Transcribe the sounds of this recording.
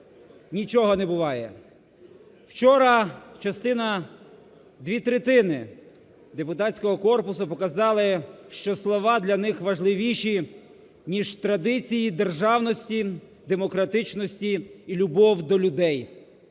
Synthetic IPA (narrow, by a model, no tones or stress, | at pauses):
nʲit͡ʃɔɦɔnɛbʊʋɑjɛ̰ | wt͡ʃɔɾɐt͡ʃɐst̪ɪnɐ | d̪ʋʲit̪ɾet̪ɪnɪ | d̪e̞pʊt̪ɑt͡sʲkɔɦɔkɔrpʊsʊpɔkɐzɑlˠɪʃt͡ʃɔslˠɔʋɑd̪lʲɐnɪxʋɐʒlˠɪʋʲiʃi | nʲiʒt̪ɾɐd̪ɪt͡sʲijid̪erʒɑwnɔsʲtʲi | d̪e̞mɔkɾɐt̪ɪt͡ʃnɔsʲtʲiːlʲʊbɔwd̪ɔlʲʊd̪ɛj